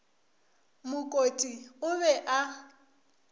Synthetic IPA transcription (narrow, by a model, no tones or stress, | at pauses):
mʊkʼotʼiʊbɛʔa